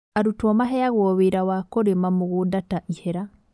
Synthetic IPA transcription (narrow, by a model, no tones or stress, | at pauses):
aɾutwɔmaɦɛaɣwɔβeɾawakoɾemamoɣudataʔihɛɾa